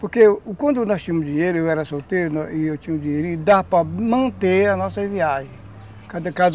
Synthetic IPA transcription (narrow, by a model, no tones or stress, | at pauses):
poɾkekwɐ̃nd̪nɔst͡ʃĩɲɐmʊzd͡ʒĩɲejɾʊewɛɾɐsot̪eɾʊnɔiewt͡ʃĩɲɐ̃d͡ʒĩɲeɾuid̪apɾɐmɐ̃nt̪eɐnɔsɐviaʒẽ | kad̪ɐkad̪